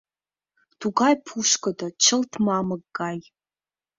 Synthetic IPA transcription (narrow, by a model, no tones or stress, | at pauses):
d̥uɡajpʰuʃkɐdɐt͡ʃʰɐltʰmaːmɐɡːaːj